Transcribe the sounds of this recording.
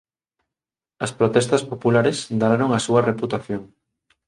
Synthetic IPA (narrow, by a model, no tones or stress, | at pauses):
ɐspɾot̪ɛst̪ɐspopulaɾesd̪aɾaɾoŋɐsuɐreput̪aθjoŋ